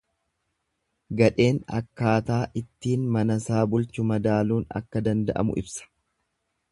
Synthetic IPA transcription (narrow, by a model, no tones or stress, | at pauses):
ɡɐᶑe̞ːnɐ̰kːaːt̪aːʔɪt̪ːiːnmɐnɐsaːbʊlt͡ʃʊmɐd̪aːluːnɐ̰kːɐd̪ɐnd̪ɐʔɐ̰mʊ̰ʔɪ̰bsɐ̥